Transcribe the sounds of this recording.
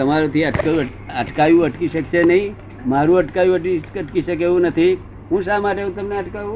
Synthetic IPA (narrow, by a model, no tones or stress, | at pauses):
t̪ɐmaɾot̪ʰiɐʈk | əʈkajũɐʈkiʃəkt͡ʃʰenəɦĩ | maɾũɐʈkajũəʈiəʈkiʃəkeũnət̪ʰi | ɦũːsamaʈeɦũt̪əmneɐʈkajũ